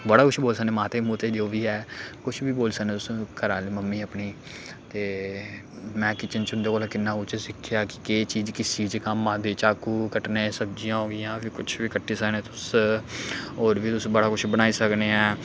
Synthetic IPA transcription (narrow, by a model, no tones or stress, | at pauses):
bəɽaːkʊt͡ʃʰboːlsəkneːmaːt̪eːmuːt̪eːd͡ʒoːʋiːɛːkʊt͡ʃʰbiːboːlsəkneːt̪ʊsũːkəɾaːliːməmːiːəpniː | t̪eː | mɛ̃ːkɪt͡ʃənt͡ʃɦʊ̃nd̪eːkoːlaːkɪnːaːʊt͡ʃəsɪkʰːjaːkɪ̥keːt͡ʃiːd͡ʒkɪsiːt͡ʃkəmãːd̪eːt͡ʃaːkuːkəʈnẽːsəbd͡ʒijãːɦoːɡɪjãːpʰɪkʊt͡ʃʰʋiːkəʈːiːsəknẽːt̪ʊs | oːɾʋiːt̪ʊsːbəɽaːkʊt͡ʃʰbəñaːiːsəkneːɛ̃ː